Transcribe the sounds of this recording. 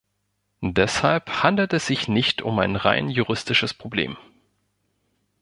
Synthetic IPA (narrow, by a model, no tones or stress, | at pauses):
dɛshalphandl̩tɛsz̥ɪçnɪçtʰʊ̰maɪnʁa̰ɪnjuʁɪstɪʃəspʁ̥oblḛːm